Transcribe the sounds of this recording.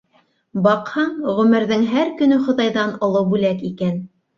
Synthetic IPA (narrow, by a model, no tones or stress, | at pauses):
bɑqhɑɴʁɵ̆mɘ̆ɾðɘŋɦæɾkɵ̆nɵχŏðɑjðɑnŏlˠɤwbʉlækikæn